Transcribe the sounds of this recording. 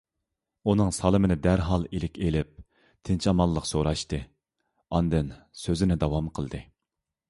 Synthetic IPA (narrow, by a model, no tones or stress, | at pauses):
unɨŋsɑlˠɨmɪnɪd̪æɾɦɑlˠelɪkʲelɪp̚ | t̪ʰɪnt͡ʃʰɑmɑlˠːəqsoɾɑʃt̪ɨ | ɑnd̪ɨnsøzɪnɪd̪ɑwɑmqʰəlˠd̪ɨ